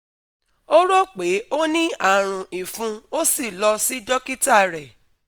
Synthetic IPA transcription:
o˦ɾo˦k͡pe˨˦o˦nĩ˦a˦˨ɾ̃ũ˨i˨fũ˧o˦si˦˨lɔ˧si˦dɔ˦ki˦ta˦˨ɾɛ˨

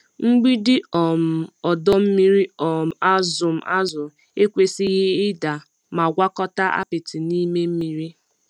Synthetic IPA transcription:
ŋ͡m̩˦ɡ͡bi˦dɪ˦ɔ˨m̩˨ɔ˨dɔ˦m̩˦mi˦ɾi˦ɔ˨m̩˨a˦zʊ˨m̩˨ʔa˦zʊ˨ | e˦kʷe˨sɪ˦ɣɪ˦ɪ˦da˨ | ma˨ɡʷa˦kɔ˦ta˦ʔa̰˦pɪ˨tɪ˨ni˦me˦m̩˦mi˦ɾi˦

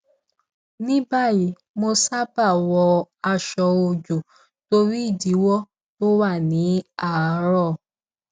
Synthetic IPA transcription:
nĩ˦ba˦˨ji˨˦ | mo˧sa˦ba˦˨wɔ˧a˧ʃɔ˧o˧d͡ʒu˨ | to˧ɾi˦i˦˨di˨˦wɔ˦ | to˦wa˦˨nĩ˨˦a˦˨˧ɾɔ˦˨

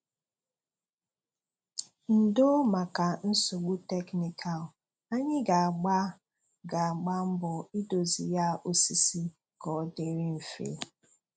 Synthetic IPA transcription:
n̩˨do˦ma˨ka˨n̩˦so˨ɡ͡bu˦te˦kni˨kʰa˨l | a˦ɲɪ˦ɡa˨a˨ɡ͡ba˦ | ɡa˨a˨ɡ͡ba˦m̩˦bʊ˨i˦do˨zi˨ja˦ʔo˦si˨si˦ | kɔ˨˦de˦ɾɪ˦m̩˨fḛ˨˦

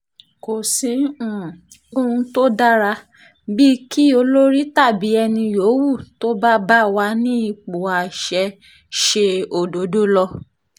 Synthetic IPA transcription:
ko˨sĩ˨˦ũ˨ | o˧ũ˧to˦da˦ɾa˧ | bi˦ki˦o˧lo˦ɾi˦ta˦˨bi˨˦ɛ˧nĩ˧jo˨˦wu˦˨to˦ba˦ba˦wa˧˦nĩ˦i˦˨k͡po˨a˨ʃɛ˧ | ʃe˧o˨do˨˦do˦lɔ˧

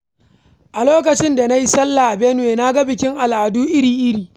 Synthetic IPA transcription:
ʔa˨loː˦k̬ɐ˨t͡ʃɪ˦nda˨na˦ji˦sɐ˦lːa˨ʔa˨bɛ˦n˨weː˨na˦ɡa˦bɪ˨kʲɪ˦ŋʔa˨lʔaː˨duː˦ʔɪ˦ɽiː˨ʔɪ˦ɽiː˨

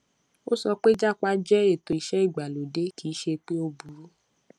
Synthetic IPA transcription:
o˦sɔ˧k͡pe˦d͡ʒa˦k͡pa˧˦d͡ʒɛ˦e˦˨to˨i˨ʃɛ˨˦i˦˨ɡ͡ba˨lo˨de˨˦kʰiː˨˦ʃe˧k͡pe˦o˧bu˨˦ɾu˦

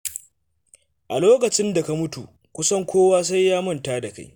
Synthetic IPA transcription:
ʔa̰˨loː˦kɐ˨t͡ʃɪ˦nda˨ka˦mʊ˦tṵ˨ | kʷʊ˦sɐ˦ŋkʷoː˦waː˦s̬a˦jːaː˦mɐ˦ntaː˦da˨ka̰˦j

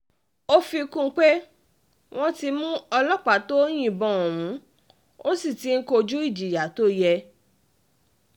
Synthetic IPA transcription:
o˦fi˧kũ˦˧˦k͡pe˦ | w̃ɔ̃˦ti˧mũ˦ɔ˧lɔ˦k͡pa˨˦to˦o˦j̃ĩ˦˨bɔ̃˨ɔ̃˨w̃ũ˨˦ | o˦si˦˨ti˨˦ŋ̩˦ko˧d͡ʒu˦i˦˨d͡ʒi˨ja˨˦to˦jɛ˧

